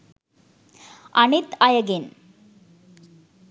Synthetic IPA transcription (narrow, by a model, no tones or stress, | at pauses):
ʔɐnɪt̪ɐjɐɡɪn